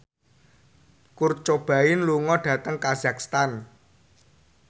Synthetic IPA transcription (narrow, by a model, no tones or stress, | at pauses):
kurt͡ʃob̥ä̤ɪnluŋɔɖ̥ä̤t̪əŋkazak̚st̪an